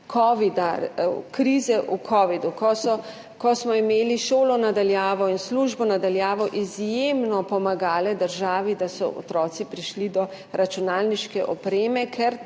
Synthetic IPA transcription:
kʰɔʋid̪akɾiːzɛʔukʰɔːʋid̪ukɔsɔ | kɔsmɔimeːliʃoːlɔnad̪aljaːʋɔinsluʒbɔnad̪aljaːʋɔʔizjemnɔpɔmaɡaːlɛd̪əɾʒaːʋid̪asɔ̰ʔɔ̰t̪ɾɔːt̪sipɾiʃlid̪ɔ | ɾʔat͡ʃunaːlniʃkɛʔɔpɾeːmɛkʰɛɾ

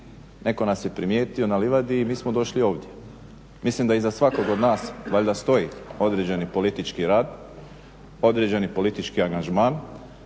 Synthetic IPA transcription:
nʔe̞ko̞nasje̞pɾimje̞ːt̪io̞naliʋad̪iːmiːsmod̪o̞ʃlio̞ːʋd̪ʲje̞ | mislimd̪aizasʋako̞ɡod̪naːsʋaʎʲd̪ast̪o̞io̞d̪ɾed͡ʑe̞nipo̞lit̪it͡ʃkiɾaːd̪ | o̞d̪ɾed͡ʑe̞nipo̞lit̪it͡ʃkiaŋɡaʒmaːn

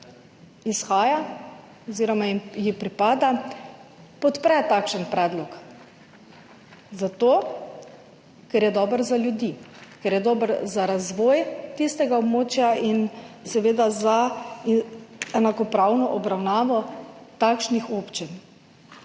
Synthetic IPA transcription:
isxaːja | ɔziːɾɔmaimjipɾipaːd̪a | pɔt̪pɾɛt̪akʃənpɾɛːd̪lɔk | zat̪oː | kɛɾjɛd̪ɔːbəɾzaljud̪ikɛɾjɛd̪ɔːbəɾzaɾazʋɔːjt̪ist̪ɛɡaɔbmoːt͡ʃjainsɛʋeːd̪aza | ɛnakɔpɾawnɔʔɔbɾawnaːʋɔt̪akʃnixopt͡ʃin

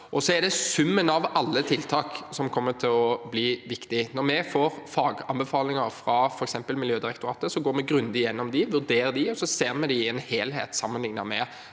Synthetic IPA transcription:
ʔɔsɔɛɾd̪ɛsʉmːənɑʋɑlːət̪ʰɪlt̪ʰɑːksɔmkʰɔmːət̪ʰɪlɔbliːʋɪkt̪ɪnɔɾmɛfoːɾfɑːɡɑnbɛfɑːlɪŋɑɾfɾɑfɔɾɛksɛmpəlmɪljøːd̪ɪɾɛkt̪ʊɾɑːt̪əsɔɡoːɾmɛɡɾʉnd̪əɪjɛnːɔmd̪ɪʋʉd̪eːɾəd̪ɪɔsɔseːʁmɛd̪ɪɛːnheːlhḛːt̪sɑmːənlɪŋnɑmɛ

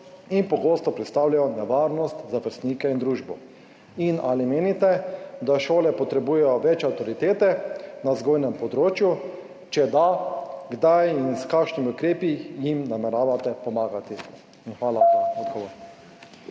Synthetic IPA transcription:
inpɔɡoːst̪ɔpɾɛt̪st̪aːwlajɔnɛʋaɾnɔst̪zaʋəɾst̪niːkɛind̪ɾuːʒbɔ | inalimeːnit̪ɛd̪aʃoːlɛpɔt̪ɾɛbujɛjɔʋɛt͡ʃɛawt̪ɔɾit̪eːt̪ɛnazɡoːjnɛmpɔd̪ɾoːt͡ʃju | t͡ʃɛd̪aɡd̪ajinskakʃnimiʊkɾeːpijimnamɛɾaːʋat̪ɛpɔmaːɡat̪i | inxʋaːlaɔd̪ɡɔʋoɾ

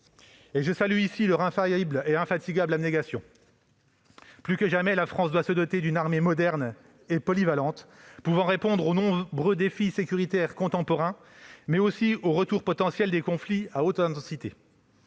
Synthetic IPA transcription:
eʒəsalyisilœʁɛ̃fajibleɛ̃fat̪iɡʲablaneɡasjɔ̰̃ | plykəʒamɛlafχɑ̃sd̪wasəd̪ɔt̪ed̪ynaʁmemɔd̪ɛʁn | epɔlivalɑ̃t̪puvɑ̃ʁepɔ̃d̪ʁonɔ̃bʁød̪efisekʲyʁit̪ɛʁkɔ̃t̪ɑ̃pɔʁɛ̃ | mɛosioʁət̪uʁpɔt̪ɑ̃sjɛld̪ekɔ̃fliaot̪ɛ̃t̪ɑ̃sit̪e

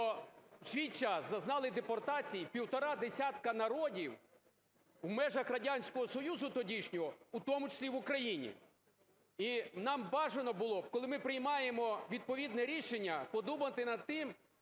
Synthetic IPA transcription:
ɔʒʲijt͡ʃaszɐznɑlˠɪd̪epɔrt̪ɑt͡sʲijipʲiwt̪ɔɾɑd̪esʲat̪kɐnɐɾɔdʲiw | wmɛʒɐxrɐdʲanʲsʲkɔɦɔsɔjuzʊt̪ɔdʲiʃnʲɔɦɔut̪ɔmʊt͡ʃɐ̥sʲlʲiʋʊkɾɐjinʲḭ | inɑmbɑʒenɔbʊlˠɔbkɔlˠɪmɪpɾɪjmɑjemɔʋʲid̪̚pɔʋʲid̪nɛɾʲiʃenʲːɐpɔd̪ubɐt̪ɪnɐd̪̚t̪ɪm

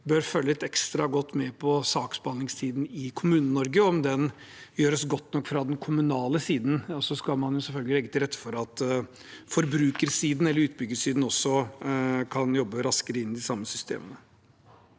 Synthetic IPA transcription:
bœɾføːləɪt̪ɛkst̪ɾɑɡɔt̪ːmɛpʰɔsɑːksbəɑnlɪŋst̪ʰiːd̪n̩ɪkʰʊmʉːnənnɔɾɡəɔmd̪ɛn | jøːɾəsɡɔt̪ːnɔkːfɾɑd̪ɛnkʰʊmʉnɑːləsiːd̪n̩sɔskɑlmɑnjʊsɛlfœlɡəlɪlɛɡːət̪ʰɪlɾɛt̪ːə̥fɔɾɑt̪ | fɔɾbɾʉːkəɾsiːd̪n̩ɛlːəɾʉːt̪̚bʏɡːəʂiːd̪n̩ɔsɔ | kʰɑnjɔbːəɾɑskəɾəɪnːɪd̪ɪsɑmːəsʏst̪ḛːmənə

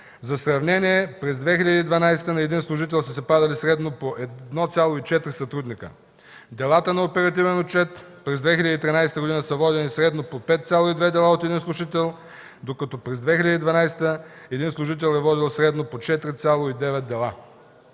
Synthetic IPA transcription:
zɐsɾɐvnɛniɛpɾɛzd̪vɛxiʎʲɐd̪iːd̪vɐnajsɛ̥t̪ənɐɛd̪inslˠʊʒit̪ɛlˠsəsɛpad̪ɐlisɾɛd̪nopoʔɛd̪nɔt̪sʲalˠoit͡ʃɛt̪ɾisɐt̪ɾud̪nikə̰ | d̪ɛlˠat̪ənɐopɛɾɐt̪ivɛnot͡ʃɛt̪pɾɛzd̪vɛxilɐd̪it̪ɾinajsɛt̪əɡod̪inəsəvɔd̪ɛnisɾɛd̪nopopɛt̪t̪sʲjalˠoid̪vɛd̪ɛlˠaot̪ɛd̪inslˠʊʒit̪ɛlˠ | d̪okɐt̪ɔpɾɛzd̪vɛxilʲɐd̪id̪vɐnajsɛ̥t̪ə | ɛd̪inslˠuʒit̪̬ɛlˠɛvɔd̪ilˠsɾɛd̪nopot͡ʃɛt̪ɾit̪sʲalˠoid̪ɛvɛt̪̚d̪ɛlˠa

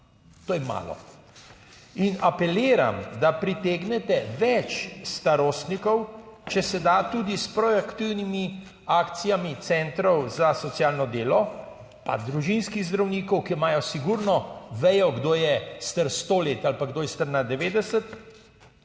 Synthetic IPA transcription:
t̪oːjɛma̰ːlɔ̰ | inapɛleːɾa̰md̪apɾit̪eːɡnɛt̪ɛʋɛt͡ʃst̪aɾoːst̪nikɔwt͡ʃɛsɛd̪at̪uːd̪ispɾɔakt̪iwnimi | aːkt̪sijamit̪sɛnt̪ɾɔwzasɔt̪sjaːlnɔd̪eːlɔ | pa̰d̪ɾuʒinskiɣzd̪ɾawniːkɔwkimaːjɔsiɡuɾnɔʋɛjɔɡd̪oːjɛst̪əɾst̪oːleːt̪alpaɡd̪oːjɛst̪əɾnad̪ɛʋeːd̪ɛsət̪

